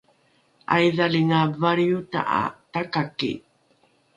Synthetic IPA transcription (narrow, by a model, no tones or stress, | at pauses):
ʔajðaɭiŋavaɾjuta̰ʔa̰takakḭ